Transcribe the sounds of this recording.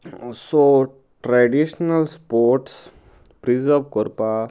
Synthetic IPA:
so | ʈɾaɖiɕnəlspoɾʈs | pɾizəɾʋkoɾpa

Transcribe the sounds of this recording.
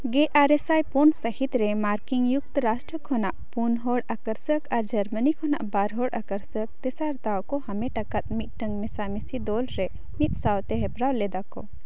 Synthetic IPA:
ɡeʔaɾɛsajpunsəhit̪ɾɛmaɾkiŋjuk̚t̪ɾasʈɾəkɦɔnaʔpunɦɔɽakəɾsəkaɾd͡ʒəɾmənikʰɔna̰ʔbaɾɦɔɽʔakəɾsək̚t̪ɛsaɾt̪awkɔhɐmɛʈakat̪̚mit̪̚ʈəŋɡmɛsamisid̪ɔlɾɛ | mit̪̚sawt̪ɛɦɛpɾawlɛd̪akɔ̰

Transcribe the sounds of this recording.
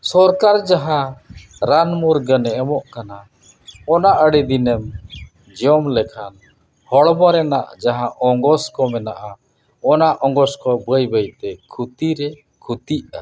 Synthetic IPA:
sɔɾkaɾd͡ʒaɦãɾanmuɾɡənɛɛmɔʔkana | ɔnaʔəɽid̪inɛm | d͡ʒɔmlɛkʰan | hɔɽbɔɾɛna̰ʔd͡ʒaɦãʔɔŋɡɔskɔmɛnaʔa | ɔnaʔɔŋɡɔskɔbəjbəjt̪ɛkʰut̪iɾɛ | kʰut̪iʔa̰

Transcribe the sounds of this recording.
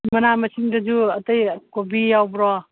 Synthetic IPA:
mɐnamɐsiŋd̪ɐd͡ʒuɐt̪əjkobijawbɾɔ

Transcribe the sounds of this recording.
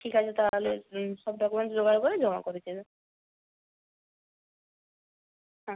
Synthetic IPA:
ʈʰikɦat͡ɕʰet̪aleʃɔb̚ɖɔkumenʈd͡ʑoɡaɾkoɾed͡ʑɔma̰koɾit͡ɕʰe | ɦã

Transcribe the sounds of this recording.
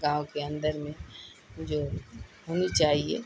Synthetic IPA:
ɡãːõkeə̃nd̪əɾmẽ | d͡ʒoːɦoːnit͡ʃaːɦiḛ

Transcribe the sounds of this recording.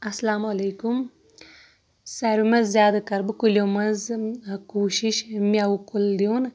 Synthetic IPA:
ɐslaːmɐleːkum | saɾimɐzːʲjaːd̪ɐkɐɾbɨkulomɐzkuːʃiʃmiawkuld̪ijoːn

